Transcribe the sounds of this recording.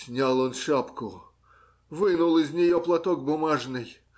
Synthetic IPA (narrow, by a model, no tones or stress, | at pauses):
sʲnʲalˠonʂapkʊ | vɨnʊlˠɪzʲnʲɪjoplˠɐt̪oɡ̚bʊmaʐnɨj